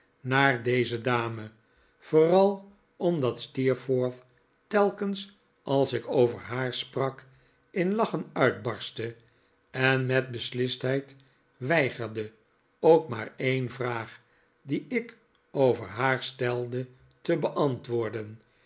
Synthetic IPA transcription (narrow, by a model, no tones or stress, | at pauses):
naːɹdejzədaːmə | v̥oːrɑlˠ | ɔmdɑt̪stiːɹfoːɹθ | tɛlˠkəns | ʔɑlˠsɪkowvəɹɦaːɹsprɑk | ɪnlɑχənœɥd̚bɑɹstə | ɛnmɛt̚bəslɪstɦɛjt | ʋɛjχəɹdə | owkma̰ːɹejnvraːχ | diɪk | owvə̰ɹɦaːɹstɛlˠdə | təbəʔɑntʋʊːɹdən